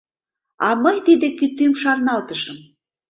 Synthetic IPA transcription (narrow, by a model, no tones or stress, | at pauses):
ɑməjt̪id̪ekyt̪ːymʃɑrnɑlt̪əʃəm